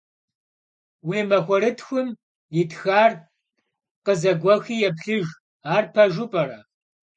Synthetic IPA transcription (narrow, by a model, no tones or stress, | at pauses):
wiːmɐxʷɔɾɨtʰxʷʊm | jɪtʰxaːr | qəzɐɡʷɔxiːjɛpɬɨʒ | aːrpʰɐʒʊpʼɐɾɐ